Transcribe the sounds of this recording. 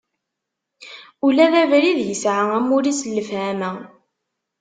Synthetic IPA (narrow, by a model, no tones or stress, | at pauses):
ulæðævɾiðjəsʕaæmuɾisəlːəfhæmæ